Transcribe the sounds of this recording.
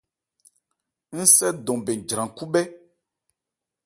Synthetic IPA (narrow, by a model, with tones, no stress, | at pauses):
ŋ̩˦sɛ˦d̪ɔ̃˨be˨d͡ʒɾã˨ku˦bɛ˦